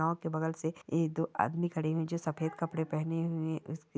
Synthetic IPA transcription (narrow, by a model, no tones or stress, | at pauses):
aːõkebɐɡəlseeːkd̪oʔa̰ːd̪mikɐɽeɦuẽd͡ʒoːsɐfeːd̪kɐpɽepɛɦneɦuẽʔʊsk